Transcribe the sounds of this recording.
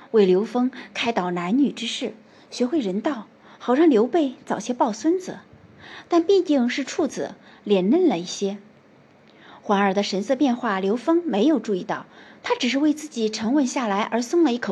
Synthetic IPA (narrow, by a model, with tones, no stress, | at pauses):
we˥˩ɪljo˧˥ʊfɤ˥ŋkʰa˥ɪt̪ɑ˨˩ʊna˧˥nny˨˩ʈ͡ʂɻ̩˥ʂɻ̩˥˩ | ɕɥɛ˧˥xwe˥˩ɪɻə˧˥nt̪ɑ˥˩ʊ | xɑ˨˩ʊʂʰɑ˥ŋljo˧˥ʊpe˥˩ɪt͡sɑ˨˩ʊɕjɛ˥pɑ˥˩ʊswə˥nd͡zɹ̩˩t̪a˥˧npi˥˧t̪i˥˧ŋʂɻ̩˥˧ʈ͡ʂʰu˥˩d͡zɹ̩˨˩ljɛ˨˩nnə˥˩nlə˩i˥˩ɕjɛ˥ | xwa˧˥ŋə˞˨˩d̪ə˦ʂə˧˥nsɤ˥˧pjɛ˥˧nxwa˥˩ljo˧˥ʊfɤ˥ŋme˧˥ɪjo˨˩ʊʈ͡ʂu˥˧i˥˧t̪ɑ˥˩ʊt̪ʰa˥ʈ͡ʂɻ̩˨˩ʂ̬ɻ̩˥˧we˥˧ɪt͡sɹ̩˥˩t͡ɕi˨˩ʈ͡ʂʰɤ˧˥ŋwə˥˧nɕja˥˩la˧˥ɪʔə˞˧˥sʊ˥˧ŋlə˧i˥˩kʰɤ˨˩